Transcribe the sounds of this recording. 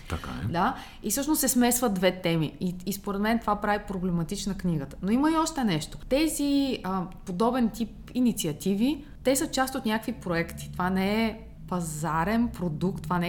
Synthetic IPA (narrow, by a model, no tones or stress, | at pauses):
t̪ɐka̰ɛ̰d̪a | isɤʃnossɛsmɛsvəd̪d̪vɛt̪ɛmiiispoɾɛd̪mɛnt̪ovapɾavipɾoblɛmɐt̪it͡ʃnəkniɡət̪ə̥noiməiɔʃt̪ɛnɛʃt̪o̥t̪ɛziəpod̪ɔbɛnt̪ip | init̪siɐt̪ivi | t̪ɛsət͡ʃast̪ot̪nʲakəkvipɾoɛkt̪i̥t̪ovanɛɛ | pɐzaɾɛnpɾod̪ukt̪ːovanɛ